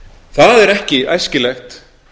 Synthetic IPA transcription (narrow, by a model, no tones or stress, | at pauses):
θaðɛɾɛhcɪʔa̰jscɪlɛxt̪